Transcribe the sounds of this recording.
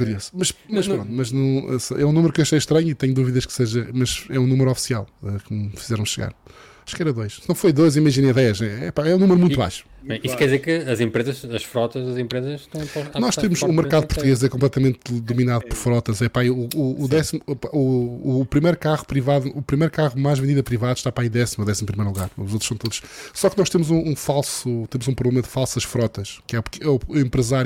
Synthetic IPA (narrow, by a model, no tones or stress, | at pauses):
kuɾiesmɐʃmɐʃpɾõnt̪umɐʒnɐ̃w̃ɛ̰sʔɛ̰ũnumɾukewɐʃɐjʃt̪ɾɐɲit̪ɐɲud̪uviðɐʃkseʒɐmɐzɛũnumɨɾɔfi̥sia̰lˠɛkmfi̥zɛɾɐ̃w̃ʃɨɣa̰ɾ | aʃkɛɾɐðojʃsnɐ̃w̃fojðojzimɐʒinɐ̃jðɛʃnɛɛpaɛũnumɾumũt̪βa̰jʃu̥ɛiskɛɾðizeɾkɨɐzẽmpɾezɐʃɐʃfɾɔt̪ɐzɐzẽmpɾezɐʃt̪ɐ̃w̃pɔt̪anɔʃtt̪emuʃumɨɾkaðupuɾt̪uɣezɛkõmplˠɛt̪ɐmẽnt̪d̪uminaðupɔɾfɾɔt̪ɐzɛpaiuuːðɛsimupauːpɾimɐjɾkaʁupɾivaðuupɾimɐjɾukaʁumajʒvẽnd̪iðɐpɾivaðuʃt̪apɾaiðɛsimɐðɛsimupɾimɐejɾlˠuɣaɾuzot̪ɾ̥ʃsɐ̃w̃t̪oðuʃsɔknɔʃt̪emuzũːfalˠsut̪emuzũpɾuβlˠemɐðɨfalˠsɐʃfɾɔt̪ɐʃkɛpkɛuẽmpɾɨzaɾj